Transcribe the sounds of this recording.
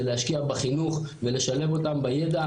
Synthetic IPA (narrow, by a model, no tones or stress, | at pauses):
elehaʃkiabaχinuχve̞le̞ʃale̞vo̞tambaje̞da